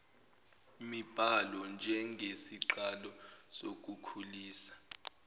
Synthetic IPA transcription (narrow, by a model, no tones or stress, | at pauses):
mib̥ʱalɔnd͡ʒʱɛŋɡʱesiǃalɔsok̬ukʰuliːsḁ